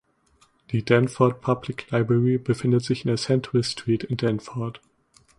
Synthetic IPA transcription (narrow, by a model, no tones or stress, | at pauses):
d̥iːdɛnfɔɐt̚pʰablɪkʰlaɪbʁɛʁibəfɪndətz̥ɪçɪndeːɐsɛntʰwɪstʁ̥iːtɪndɛnfɔɐt